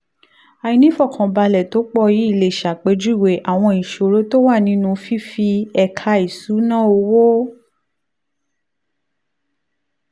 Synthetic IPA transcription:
a˨ji˧nĩ˦fɔ˦˨kʰã˨ba˧lɛ˨to˨˦k͡pɔ˧ji˨˦i˦˨le˨ʃa˨k͡pe˧˦d͡ʒu˦i˦˨we˨ʔa˦˨w̃ɔ̃˧i˨ʃo˨ɾo˦to˦wa˦˨nĩ˨˦nũ˧fi˦fi˧ɛ˧kʰa˧i˨su˨˦nã˦o˧wo˦

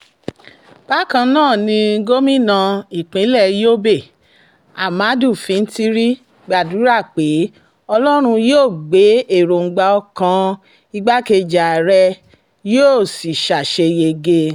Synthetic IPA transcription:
b̥a˦kã˧nãː˦˨nĩ˧˦ɡo˦mĩ˦nã˧i˨k͡pĩ˨˦lɛ˦˨jo˦be˦˨ | a˨ma˨˦du˦˨fĩ˨˧n̩˦ti˦ɾi˦ | ɡ͡ba˨du˨˦ɾa˦˨k͡pe˨˦ | ɔ˧lɔ˦ɾ̃ũ˧joː˦˨ɡ͡be˨˦e˦˨ɾo˨ŋ̩˨˧ɡ͡ba˧ɔ˧kã˧ | i˧ɡ͡ba˦ke˧d͡ʒa˨ɾɛ˧ | jo˦˨si˨ʃa˨ʃe˧je˧ɡe˧

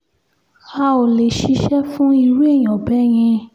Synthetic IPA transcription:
xa˧˦o˨le˨ʃi˧˦ʃɛ˦fũ˦i˧ɾu˦e˦˨j̃ɔ̃˨bɛ˦j̃ĩ˧

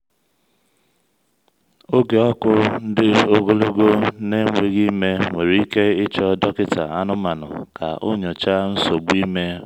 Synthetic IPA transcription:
o˦ɡe˨ɔ˦kʊ˦n̩˦dɪ˦o˦ɡo˦lo˦ɡo˦ne˦ŋʷe˨ɣi˦me˦ŋʷe˨ɾi˦i˦ke˦ɪ˦t͡ʃɔ˦dɔ˦kɪ˦ta̰˨a˦nʊ˦ma˨nʊ̰˨ka̰˨o̰˦ɲo˨t͡ʃa˦n̩˦so˨ɡ͡bi˦me˦

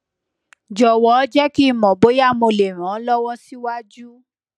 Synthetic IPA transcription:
d͡ʒɔ˨wɔ˨˦d͡ʒɛ˦ki˦˧mɔ̃˨bo˨˦ja˦˨mõ˧le˨ɾ̃ã˨˦lɔ˦wɔ̃˦si˦wa˦d͡ʒu˦

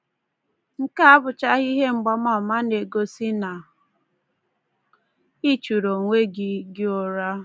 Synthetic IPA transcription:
ŋ̩˦ka˦a˦bʊ˨t͡ʃa˦ɣi˦ɦe˦ŋ͡m̩˨ɡ͡ba˦ma˦˨ma˦ne˨ɡo˦si˦na˨ | i˦t͡ʃu˨ɾo˨ŋʷe˦ɡɪ˦ɡɪ˦o˨ɾa˦

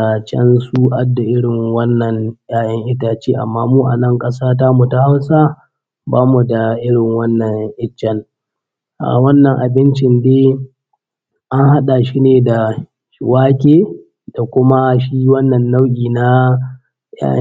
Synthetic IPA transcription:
t͡ʃɛ̰˦nsu˦ʔa˦dːa˨ʔɪ˦ɽɪ˨ŋwɐ˦nːɐ˨ŋjaː˦jɐ˦ŋʔɪ˦taː˨t͡ʃeː˦ʔa̰˨mːaː˦muː˦ʔa˨nɐ˦ŋkʼɐ˦saː˦ta˦mu˨ta˦ha˦wsa˦ | baː˦mu˨da˨ʔɪ˦ɽɪ˨ŋwɐ˦nːɐ˨ŋʔɪ˦t͡ʃːɛ˦n | ʔa̰˨wɐ˦nːɐ˨ŋʔa˨bɪ˦nt͡ʃɪ˨ndeː˦ | ʔa˦ŋha˦ɗa˨ʃi˦neː˨da˨ | ʃɪ˨waː˦kʲeː˦ | d̥a˨kʷʊ˦ma˦ʃiː˦wɐ˦nːɐ˨nːa˦wkʲʼiː˨na˦ | ja̰ː˦

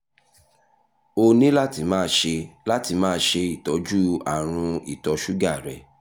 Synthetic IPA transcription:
o˧nĩ˦la˦ti˧mãː˦˧˦ʃe˧la˦ti˧mãː˦˧˦ʃe˧i˦˨tɔ˨˦d͡ʒu˦a̰˦˨ɾ̃ũ˧i˦˨tɔ˨˧ʃu˦ɡa˦˨ɾɛ˨

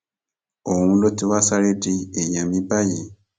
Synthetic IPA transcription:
o˨mu˦lo˦ti˦wa˦sa˦le˦ti˦e˨ja˨mi˦ba˦ji˨

